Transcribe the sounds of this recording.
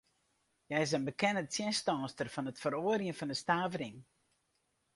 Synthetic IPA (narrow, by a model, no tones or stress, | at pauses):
jɛjɪs̬ənbəkɛnəntsjɛnstɔːstərfɔnətfəɾoərijənfɑndəstaːvəɾɪŋ